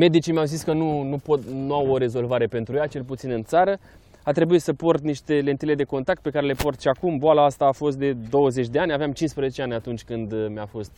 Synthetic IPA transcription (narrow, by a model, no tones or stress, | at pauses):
me̞d̪it͡ʃimeawziskənunupot̪nuawo̞ɾe̞zo̞lvaɾe̞pe̞nt̪ɾujat͡ʃe̞lput̪sinɨnt̪saɾə | at̪ɾe̞buit̪səpo̞rt̪niʃt̪e̞le̞nt̪ile̞d̪e̞ko̞nt̪ak̚t̪̚pe̞kaɾe̞le̞po̞rt̪ʃiakumboalaast̪aːfo̞st̪̚d̪e̞d̪o̞wəzet͡ʃʲd̪e̞anʲaveamt͡ʃinspɾəzet͡ʃe̞anʲat̪unt͡ʃʲkɨnd̪mjafo̞st̪̚